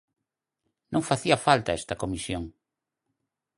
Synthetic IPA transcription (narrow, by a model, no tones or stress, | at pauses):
nʔõŋfaθiɐfalt̪aɛst̪ɐkomisjoŋ